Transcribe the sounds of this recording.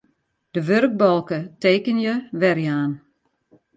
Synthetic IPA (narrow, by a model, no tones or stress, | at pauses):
d̥əʋørk̚bɔlˠkəteːkənjəʋɛrjəaːn